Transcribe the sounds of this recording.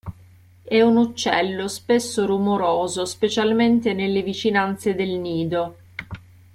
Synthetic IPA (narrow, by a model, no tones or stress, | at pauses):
ɛunut͡ʃːɛ̰lːospesːorumoɾoːzospet͡ʃalment̪enelːevit͡ʃinant̪sed̪elniːd̪o